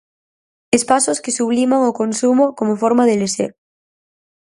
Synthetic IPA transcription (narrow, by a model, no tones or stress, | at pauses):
espasoskesuβ̞limaŋokonsumokomofoɾmaðelesḛɾ